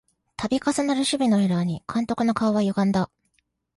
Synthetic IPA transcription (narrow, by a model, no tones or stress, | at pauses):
t̪ʰabʲikasanaɾɯ̟ɕɨbʲino̞eɾaɲ̟ikʰãnt̪o̞kɯ̟no̞kaoβajoɡãnd̪a